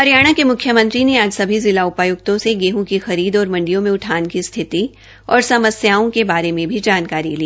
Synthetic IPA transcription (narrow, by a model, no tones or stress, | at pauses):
ɐɾjaːɽ̃akemʊkʰːjəmɐ̃nt̪ɾineaːd͡ʒsɐbʱizɪlaʊpaːjʊk̚t̪õseɡeːɦõkixɐɾiːd̪ɔːɾmɐ̃ɳɖijõmẽʊʈʰaːnkist̪ʰɪt̪i | ɔːɾsɐməsjaːõkebaːɾemẽbʱid͡ʒaːnkaːɾḭliː